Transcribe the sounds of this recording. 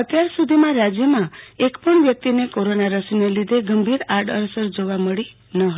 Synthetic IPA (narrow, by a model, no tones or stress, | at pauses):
ət̪jaɾsud̪ʱimãɾad͡ʒjəmãekpəɳbjək̚t̪inekoɾonaɾəsinəlid̪ʱeɡəmbʱiɾaɾʈəɾsəɾd͡ʒoʋaməɽi | nəɦ